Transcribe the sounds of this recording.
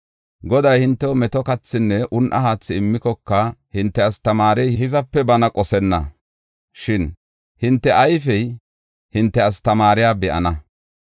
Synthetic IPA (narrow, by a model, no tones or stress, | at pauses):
ɡɔd̪ɐjhɪnt̪ːɛmɛt̪ɔkɐt͡sːɪnːɛʔʊnʔɐhaːt͡sːɪɪmːɪkɔkːɐhɪnt̪ːɛɐst̪ɐmaːɾɛjɪhɪzɐpːɛbɐnɐkʼɔsɛnːɐ̰ | ʃɪn | hɪnt̪ːɛʔɐjfɛj | hɪnt̪ːɛɐst̪ɐmaːɾɪjaːbɛʔɐ̰nɐ